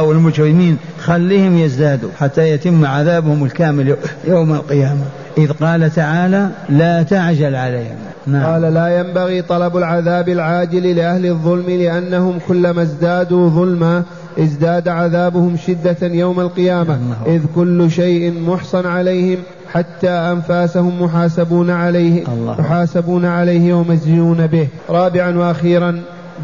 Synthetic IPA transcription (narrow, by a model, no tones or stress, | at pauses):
awɪlmʊd͡ʒwɪmiːn | xalːiːhɪmjɪzd̪aːd̪ṵħat̪ːajat̪ɪmːʕaðaːbhʊmɪlkaːmɪljawmalqɨjaːma | ʔɪðqɑːlat̪aʕaːlalat̪aʕd͡ʒalʕalejhɪ̰m | naɑːlalaːjambaɣiːt̪ˤɑlɑbalʕaðaːbalʕaːd͡ʒɪllɪʔahlɪðˤːʊlmɪlɪʔanːahʊmkʊlːamazd̪aːd̪uðˤʊlma | ʔɪzd̪aːd̪aʕaðaːbʊhʊmʃɪd̪ːajawmalqɨjaːmaʔɪðkʊlːʃajʔɪnmʊħsˤɑnʕalajhɪm | ħat̪ːaːʔanfaːsahʊmːʊħaːsabuːnʕalajhmʊħaːsabuːnaʕalajhɪwamazjuːnabɪh | ɾˤɑːbɪʕanwaʔaxiːɾˤɑn